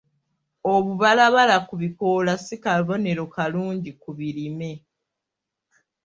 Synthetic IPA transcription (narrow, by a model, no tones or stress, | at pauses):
o̞βuβalaβalakuβikoːlasikaβo̞ne̞ɾo̞kaluːɲɟikuβiɾime̞